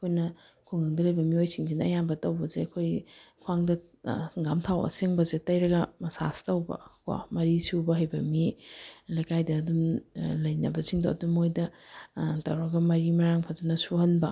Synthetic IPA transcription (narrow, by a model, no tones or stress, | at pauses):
ɐkʰojnɐ | kʰuŋɐŋdɐlɐjbɐmiojsiŋzinɐɐjambɐtɐwbɐzeɐkʰojkʰuwaŋdɐ | ɡamtʰawɐ̰seŋbɐzetɐjɾɐɡɐmɐsa̰stɐwbɐ̰ko̰mɐɾisubɐɦɐjbɐmilɐjkʰajdɐːdumlɐjnɐ̰bɐsiŋdoʔɐ̰dumojdɐ | tɐwɾɐɡɐmɐɾimɐɾaŋpʰazɐnɐsuhɐnbɐ